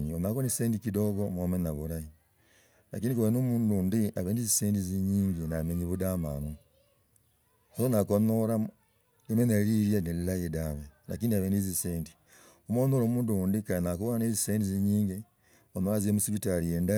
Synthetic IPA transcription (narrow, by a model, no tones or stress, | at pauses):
ɲionakonisseːndikidoɣomomenaβuɾaji | na̰kiːndikuβenomuːndundiaβeːndiziseːndiziɲiːŋɡinameɲiβudama̰ːnu | osonakonoɾa | emenaliɾjanelilajedaβena̰kiːndiaβeːndiziseːndi | omonoɾomuːndundikanakuβonaneziseːndiziɲiːŋɡi | onoɾaziemusiβitaɾijeːnda